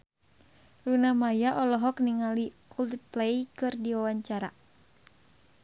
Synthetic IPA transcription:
runamajaʔɔlɔɦɔk̚niŋalikult̪iplɛjkɨrdiwawaɲt͡ʃaɾa̰

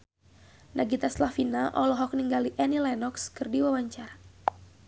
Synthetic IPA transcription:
naɡit̪aslafinaʔɔlɔɦɔk̚niŋɡaliʔɛnilanɔkskɨrdiwawaɲt͡ʃaɾa

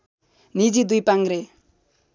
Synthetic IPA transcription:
nid͡zid̪ujpaŋɡɾe

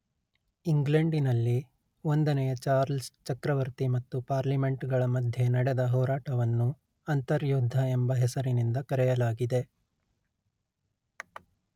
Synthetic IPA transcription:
iŋɡleɳɖinɐlːi | o̞nd̪ɐnɛjɐt͡ʃaːɾlst͡ʃɐkɾɐʋɐɾt̪imɐt̪ːupaːɾlime̞ɳʈɡɐɭɐmɐd̪ʱjenɐɽed̪ɐɦɔːɾaːʈɐʋɐnːu | ɐnt̪ɐɾjuːd̪ʱːɐembɐɦesɐɾinind̪ɐkɐɾɛjɐlaːɡid̪e̞

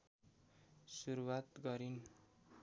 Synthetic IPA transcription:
suɾuwat̪ɡʌɾin

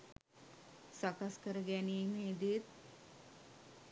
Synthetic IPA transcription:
sakaskəɾəɡænijeŋid̪iet̪̚

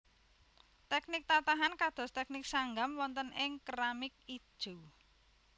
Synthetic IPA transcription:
t̪ɛknɪk̚t̪at̪aɦankad̪̥ɔ̤st̪ɛk̚nɪk̚saŋɡamwɔnt̪ənɪŋkɾamɪk̚i̥ʒ̥u

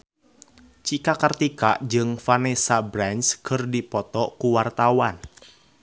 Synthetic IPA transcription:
t͡ʃikakart̪ikaʔd͡ʒɨŋfanesabɾanskɨrdipɔt̪ɔkuwart̪awan

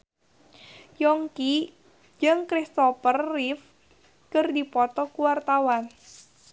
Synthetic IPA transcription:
jɔŋki | d͡ʒɨŋkɾist̪ɔfərːif | kərdipɔt̪ɔkuwart̪awan

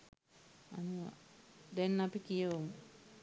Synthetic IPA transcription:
anuʋa̰d̪enːapikijəʋomə

